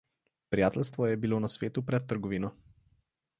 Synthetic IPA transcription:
pɾijaːt̪ɛlst̪ʋɔjɛbiloːnasʋeːt̪upɾɛt̪ːəɾɡɔʋiːnɔ

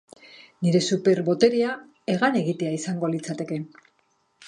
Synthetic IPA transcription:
niɾe̞supe̞ɾβo̞t̪e̞ɾia | e̞ɣane̞ɣit̪e̞aisaŋɡo̞lit͡sat̪e̞ke̞

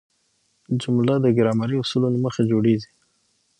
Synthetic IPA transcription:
d͡ʒʊmlad̪əɡɪɾɑmaɾiʊsulonaməxad͡ʒoɽezi

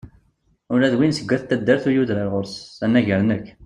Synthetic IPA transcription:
ʊɾæðwinsəɡʷːæθt̪ːæd̪ːəɾθujuðɾalʁoʊɾsænːæʝəɾnəkː

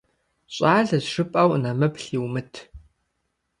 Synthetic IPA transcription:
ɕʼaːɮɐzʂɨpʼɐwnɐmɐpɬiːwmɨtʰ

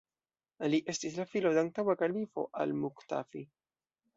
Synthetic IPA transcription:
liʔe̞stislafilodeaŋ̚tawakalifo̞̰ʔa̰lmukta̰fi

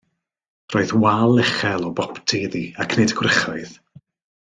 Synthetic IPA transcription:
roːɨðwalˠːɛχɛlˠɔbɔptʰiðiakʰnedɡwrɪχɔɨð

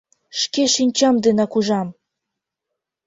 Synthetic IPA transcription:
ʃkeʃinʲt͡ɕɑmd̪enɑkuʒɑm

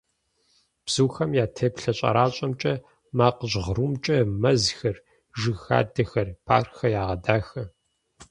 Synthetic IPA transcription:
b̥z̥uːxɐmjaːtʰeːpɬɐɕʼɐ̰ɾaːɕʼɐmt͡ʃʼɐ | maːqəʑʁɾuːmt͡ʃʼɐmɐzxɐr | ʒɨxa̰ːdɐxɐrpʰa̰ːrxɐjaːʁɐdaːxɐ

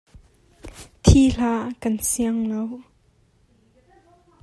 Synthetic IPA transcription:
t̪ʰiːɬaːkɐnsiəŋlow

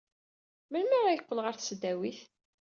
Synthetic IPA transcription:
məlməɾæjəqːəlʁəɾθsəd̪ːæwiθ

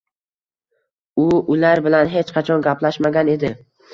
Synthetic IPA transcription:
ʊʊlaɾbɪlanɦet͡ʃqʰɑt͡ʃʰɒnɡʲaplaʃmaɡʲane̞d̪ɪ

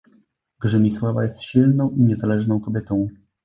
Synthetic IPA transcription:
ɡʐɘmʲiswavajɛst̪ɕilnɔ̃w̃ʔiɲɛzalɛʐnɔ̃w̃kɔbʲjɛt̪ɔ̃w̃

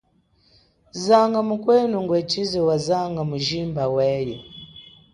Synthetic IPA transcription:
zaŋɡamukwɛnuŋɡwɛt͡ʃʰʼizɛwazaŋɡamuʒimbawɛːjɔ̰

